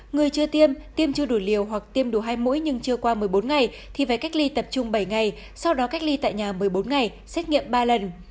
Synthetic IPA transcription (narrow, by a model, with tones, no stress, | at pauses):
ŋɨ˨˩əjt͡ɕɨ˧ət̪i˧əmt̪i˧əmt͡ɕɨ˧əɗo˧˩jli˨˩əwɦwa˨˩k̚t̪i˧əmɗu˧˩ɦaː˧jmṵ˧˥jɲɨ˧ŋt͡ɕɨ˧əkwaː˧mɨ˨˩əjɓo˨˦nŋa˨˩j | t̪ʰi˨˩vaː˧˨˩jka˦˥k̟̚li˧t̪ə˨˩p̚t͡ɕʊ˧ŋ͡mɓə˧˩jŋa˨˩j | sa˧wɗɔ˨˦ka˦˥k̚li˧t̪a̰ː˧˨jɲaː˨˩mɨ˨˩əjɓo˨˦nŋa˨˩j | sɛ˦˥t̚ŋḭ˧˨əmɓaː˧lə˨˩n